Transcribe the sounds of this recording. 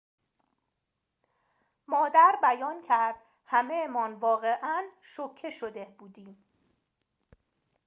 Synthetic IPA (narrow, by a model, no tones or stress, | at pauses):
mɒːd̪æɾbæjɒːncʰæɾd̪̥ | hæmejemɒːnvɒːɣe̞ʔæn | ʃocʰːe̞ʃod̪ebuːd̪iːm